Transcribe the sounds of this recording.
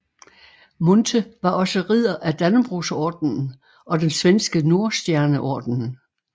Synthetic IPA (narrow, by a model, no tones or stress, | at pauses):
mont͡sʰəʋɑ̈ʔɒ̽səʁið̰ˠɐʔæd̥ænəb̥ʁusɒːd̥nn̩ | ɒ̽d̥ensʋensɡ̥əno̝ɐsd̥jæɐnəʔɒ̰ːd̥n̩